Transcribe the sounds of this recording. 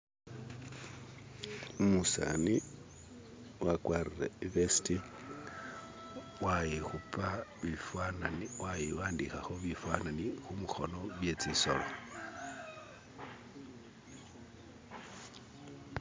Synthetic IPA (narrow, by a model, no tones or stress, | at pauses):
umusa̰ni | wakwaːrireiβesi̥ti | wajixupaβifwananwajiwaːndixaxoβifwananixumuxo̞̰no̞βjet͡siso̰lo̰